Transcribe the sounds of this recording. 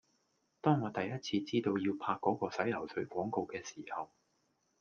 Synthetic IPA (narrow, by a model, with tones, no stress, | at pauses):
t̪ɔː˥ŋːɔː˨˧t̪ɐ˨jɐ˥t̚t͡sʰiː˧t͡siː˥t̪o˧wjiː˧wpʰaː˧kːɔː˨˥kɔː˧sɐ˨˥jlɐ˨˩wsʰɵ˨˥ɥkʷɔː˨˥ŋko˧wkɛː˧siː˨˩hɐ˨w